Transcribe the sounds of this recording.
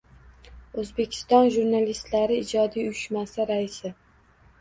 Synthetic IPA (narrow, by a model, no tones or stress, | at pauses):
ɵzbe̞kʲʰɪ̥st̪ɒnʒuɾnalist̪laɾɪːd͡ʒɒd̪ijʊjʊʃmasaɾaɪsɪ